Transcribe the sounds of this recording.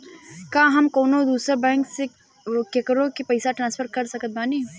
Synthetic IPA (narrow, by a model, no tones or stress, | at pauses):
kãːɦɐmkoːnõd̪uːsəɾbɛ̃ːŋkse | kekəɾõkepɐɪsaʈɾãːnspʰəɾkɐɾsɐkət̪̚baːniː